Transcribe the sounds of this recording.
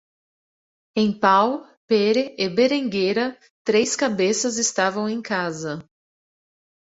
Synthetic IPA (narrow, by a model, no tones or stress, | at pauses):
ẽj̃paw | peɾeʔɪbeɾẽŋɡejɾɐ | t̪ɾejskabesɐzɪst̪avɐ̃w̃ẽj̃kazɐ